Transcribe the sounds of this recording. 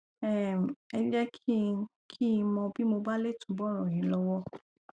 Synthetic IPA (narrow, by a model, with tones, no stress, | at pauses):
ɛ˨m˨ɛ˧d͡ʒɛ˦kʰi˦˧ | kʰĩ˦˧mɔ̃˧bi˦mo˧ba˦le˦˨tũ˨˦bɔ˦ɾ̃ɔ̃˨ĩ˨˦lɔ˧wɔ˦